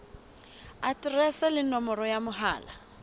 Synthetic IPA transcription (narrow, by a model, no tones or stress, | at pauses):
atʼrɛsɛlɪnɔmɔrɔjamʊɦaːla